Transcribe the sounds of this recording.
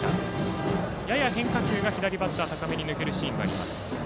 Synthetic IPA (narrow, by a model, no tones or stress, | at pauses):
a̰ | jajaɦẽ̞ŋkakʲɨːɡaçid̪aɾʲibat̪ːaːt̪akame̞ɲ̟inɯ̟ke̞ɾɯ̟ɕĩːŋɡaːɾʲima̰sɨ̥